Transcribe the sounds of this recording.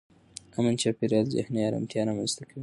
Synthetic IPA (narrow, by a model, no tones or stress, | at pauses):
amant͡ʃɑpeɾjɑlzɪ̰hnejɑɾa̰mt̪jɑɾɑmanzt̪akʰawi